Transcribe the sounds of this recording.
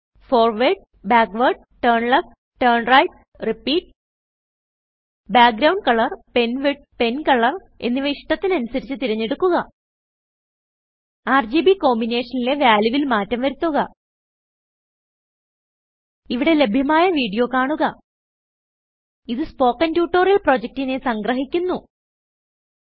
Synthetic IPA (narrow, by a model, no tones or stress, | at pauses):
fo̞ːrʋeɖ̚ | baːkʋɐrɖ̚ | ʈɐːɳɭɐf̚ | ʈɐːrɳrɐjʈ̚ | ripːiːʈ | baːk̚ɡɾɐwɳɖ̚kɐɭɐrpe̞nʋeɖ̚pe̞nkɐɭɐr | e̞̰nːiʋeiʂʈɐt̪ːinɐnusɐɾit͡ɕːɨt̪iɾɐɲːeɽukːuɣɐ | aːrd͡ʑiːbiko̞ːmbine̞ːʂɐnile̞ʋjaːljuʋilmaːtːɐmʋɐɾut̪ːuɣɐ | iʋiɽe̞le̞bʱjɐmaːjɐʋiːɽijo̞ːkaːɳuɣɐ | iðɨspo̞ːkːɐntjuːʈːo̞ːrjɐlpro̞ːd͡ʑek̚tine̞sɐŋɡrɐɦikʲːunːu